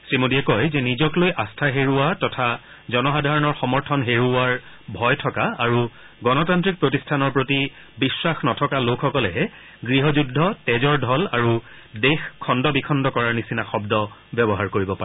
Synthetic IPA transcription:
sɹimudiɛkɔjzɛnizɔklojʔastʰaɦeɹuatɔtʰa | zɔnɔxadʱaɹɔnɔɹxɔmɔɹtʰɔnɦeɹuaɹ | bʱɔjtʰɔkaaɹu | ɡɔnɔtantɹik̚pɹotistʰanɔɹpɹoti | biswaxnɔtʰɔkalokʰxɔkɔlɛɦɛ | ɡɹiɦɔzudʱːɔtɛzɔɹdʱɔlaɹu | dexkʰːɔndɔbikʰɔndɔkɔɹaɹnisinaxɔbdɔ | bjɛbɔɦaɹkoɹibɔpaɛ

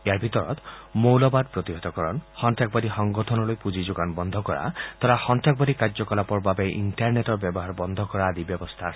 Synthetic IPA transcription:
ejaɾbʱit̪ɔɾɔ̰t̪mowlɔbad̪̚pɾɔt̪iɦɔt̪ɔkɔɾɔnhɔnʈak̚bad̪ihɔŋɡɔtʰɔnɔlojpud͡ʒid͡ʒoɡanbɔnd̪ʱɔkɔɾa̰t̪ɔɾahɔnʈak̚bad̪ikaɾd͡ʒɔkɔlapɔɾbabeʔinʈaɾneʈɔɾbjɔbɔɦaɾbɔnd̪ʱɔkɔɾad̪ibjɔbɔst̪ʰa

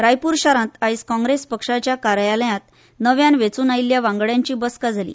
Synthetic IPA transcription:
ɾajpuːɾɕaɾãt̪aiskɔ̃ŋɡɾespəkʂat͡ɕjakaɾjaləjãt̪ | nəʋjanʋet͡suːnailːjaʋãŋɡɭjaɲt͡ɕiːbəskad͡zʱalḭː

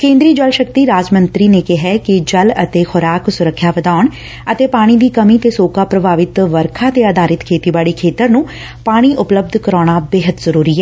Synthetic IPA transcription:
kẽːnd̪ɾiːd͡ʒəlʃək̚t̪iːɾaːd͡ʒmənt̪ɾiːneːkɪɦɛːkɪd͡ʒələt̪eːxʰʊɾaːksʊɾəkʰːjaːʋəd̪aːɳ | ət̪eːpaːɽ̃iːd̪iːkəmiːt̪eːsoːkaːpɾəbʱaːʋɪt̪ʋəɾkʰaːt̪eːaːd̪aːɾɪt̪kʰeːt̪iːbaːɽiːkʰeːt̪əɾnũː | paːɽ̃iːʔʊpləb̚d̪ʱkəɾaːɽ̃aːbeːɦət̪zəɾuːɾiːɦɛː

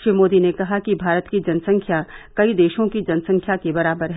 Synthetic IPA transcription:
ʃɾimoːd̪inekɐɦakibʱaːɾət̪kid͡ʒɐnsɐ̃ŋkʰjakɐid̪eːʃõkid͡ʒɐnsɐ̃ŋkʰjakebɐɾaːbəɾɦ

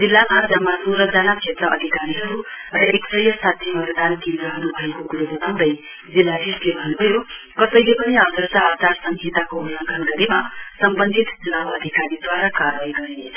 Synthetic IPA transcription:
d͡zilːamad͡zʌmːasuɾʌd͡zanakt͡ʃʰet̪rʌʔʌ̰d̪ʱikaɾiɦʌɾurʌʔeksʌjʌsat̪ʰimʌt̪d̪ankend̪ɾʌɦʌɾubʱʌekokuɾubeb̪ʱʌnd̪ʌj | d͡zilːadislebʱʌnubʱʌjo | kʌsʌjlepʌniad̪ʱʌɾsaːt̪arsʌŋɡʱet̪akoulʌŋɡʰʱʌnɡʌɾemasʌmbʌnd̪ʱit̪d͡zulaʌd̪ʱikaɾid̪waɾakaɾʋajɡʌɾene

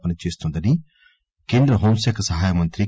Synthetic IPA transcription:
pɐnit͡ʃeːst̪und̪ɐni | keːnd̪ɾɐɦoːmsjakɐsɐɦaːjɐmɐnt̪ɾi

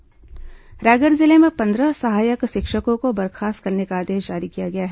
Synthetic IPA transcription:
ɾɛːɡəɾzɪlemẽpɐ̃nd̪ɾəsɐɦaːjəkʃɪkʃəkõkobɐɾxʰaːst̪̚kɐɾnekaːd̪eːʃd͡ʒaːɾikijaɡɐjaɦɛː

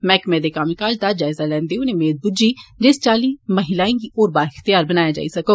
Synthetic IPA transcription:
mɛːkmɛːd̪ekaːmikaːd͡ʒd̪ad͡ʒaːɪzalɛ̃ːnd̪eʊnẽmeːd̪̚bʊd͡ʒid͡ʒɪst͡ʃaːliːməɦɪlaːĩɡiʔoːɾbaːɾɪxt̪ijaːɾbɐnaːjad͡ʒa̰ːisɐkoː

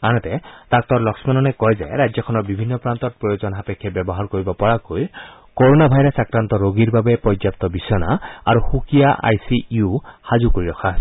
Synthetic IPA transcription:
anɔt̪ɛt̪ak̚t̪ɔɹlɔksmanɔnɛkɔjzaɾajd͡ʒzjɔkʰɔnɔɹbibʱinːɔpɹant̪ɔt̚pɹɔjozɔnɦapekʰːɛbjɔbɔɦaɹkoɹibɔpɔɹakoj | kɔɹonabʱajɾasakɹant̪ɔɾoɡiɹbabɛpɔzap̚t̪ɔbisɔnaa̰ɹuxukijaʔa̰jsiuhazukoɹiɾɔkʰa

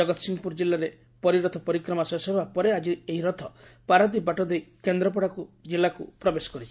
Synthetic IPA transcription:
ɔɡɔt̪ɔsiŋɡɔpuɾd͡ʒilːaɾe | pɔɾiɾɔt̪ʰɔpɔɾikɾɔmasesebʱapɔɾead͡ʒieɦiɾɔt̪ʰɔpaɾad̪ibaʈɔd̪ejkend̪ɾɔp̬ɔɽakud͡ʒelːakupɾɔbesɔ̥kɔɾit͡ʃʰi̥

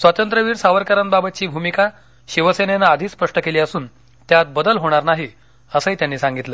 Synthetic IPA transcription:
sʋat̪ənt̪ɾəʋiːɾsaʋəɾkəɾənbabət̪t͡ɕiːbʱumika | ɕiʋəsenenaːd̪ʱiːspəʂʈəkeliːəsuːn | t̪jat̪̚bəd̪əlɦoɽ̃aɾnaɦi | əsəɦiːt̪janːiːsãŋɡit̪lə

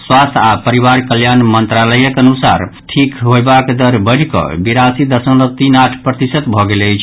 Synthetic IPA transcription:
swast̪ʰapəɾiβaɾkəljanmənt̪ɾaləjəkənusa̰ɾʈʰikɦojbakd̪əɾbəɽ̤kʌ̰biɾasid̪əɾsə̃nlət̪inaʈʰpɾət̪isət̪bʱɔɡelət͡ʃʰ

